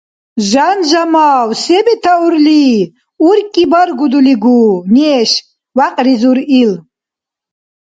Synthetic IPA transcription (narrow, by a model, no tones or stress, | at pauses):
ʒanʒamaːwsɛbɛt̪ʰauɾliː | uɾkʼibaɾɡud̪uliɡuːniɛʃ | waqʼɾizuɾil